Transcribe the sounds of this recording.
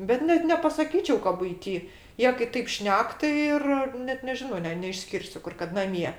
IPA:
bʲɛt ˈnʲɛt nʲɛpɐsɐˈkʲiːt͡ʃʲɛʊ kɐ bʊɪˈtʲiː ˈjiɛ kɐɪ ˈtɐɪp ˈʃʲnʲɛk tɐɪ ˈɪr ˈnʲɛt nʲɛˈʒʲɪnoː ˈnʲɛ nʲɛɪʃʲˈsʲkʲɪrʲsʲʊ ˈkʊr kɐt nɐˈmʲiɛ

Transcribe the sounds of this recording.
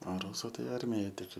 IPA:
ɐ ˈruːsʊ ˈtɐɪ ˈɐrʲmʲɪjɛj tʲɪk

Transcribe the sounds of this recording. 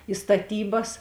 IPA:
ɪ stɐˈtʲiːbɐs

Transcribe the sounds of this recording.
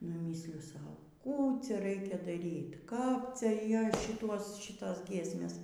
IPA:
nʊ ˈmʲiːsʲlʲɪjʊ ˈsɐʊ ˈkuː ˈt͡sʲɛ ˈrɐɪkʲɛ dɐˈrʲiːt kɐp ˈt͡sʲɛ ˈjoːs ˈʃʲɪtuɔs ˈʃʲɪtoːs ˈɡʲiɛsʲmʲeːs

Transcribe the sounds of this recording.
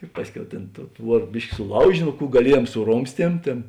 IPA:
ɪ ˈpɑːsʲˌkʲɛʊ tʲeːn toːʊ ˈtʋuɔr ˈbʲɪʃʲkʲɪ sʊˈlˠɐʊʒʲeː ˈnoː ˈkuː ɡɐˈlʲiɛjuɔm sʊˈroːmʲsʲtʲiɛm ˈtʲeːn

